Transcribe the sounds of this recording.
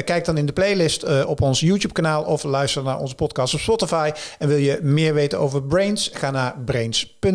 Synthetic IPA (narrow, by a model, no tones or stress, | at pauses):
kɛjɡ̚dɑnɪndəplejlɪstɔpɔnsjuːtjuːp̚kanaːlˠɔflœɥstəɹnaːɹɔ̰nzəpɔtkɑːstɔpspɔtɪfɑjɛnʋɪlˠjəmɪːɹʋejtəno̰wvəɹbrejnsχaːnaːɹbrejnspɵn